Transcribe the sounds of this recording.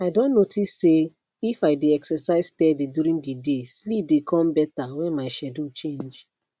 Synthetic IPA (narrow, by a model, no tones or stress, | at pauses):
aɪdõnːotʰisːe | ifaɪdeɛksɛsaɪz̥tɛdidjuɾĩndideslip̚dekʰɔ̃mbɛtawɛ̃nmaɪʃɛdot͡ʃẽnd͡ʒ